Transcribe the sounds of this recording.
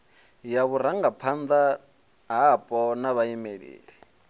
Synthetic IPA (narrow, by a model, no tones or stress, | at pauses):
jaβuɾaŋɡapʰand̪a | ɦapʼɔnaβaimeɺḛːɺi